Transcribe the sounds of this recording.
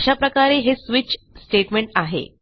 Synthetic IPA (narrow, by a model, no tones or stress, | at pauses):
ɕapɾəkaɾeɦesʋit͡ɕ | sʈeʈmeɳʈaɦḛ